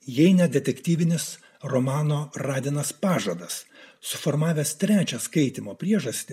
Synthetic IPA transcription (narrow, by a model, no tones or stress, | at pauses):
jɛɪnʲɛd̪ʲɛt̪ʲɛkʲt̪ʲiːʋʲɪnʲɪs | ɾɔmɑːnoːɾɑːd̪ʲɪnɐspɑːʒɐd̪ɐssʊfɔːɾmɑːʋʲɛst̪ʲɾʲæːt͡ʃʲɛskɐɪt̪ʲɪmoːpʲɾʲiɛʒɐsʲt̪ʲɪ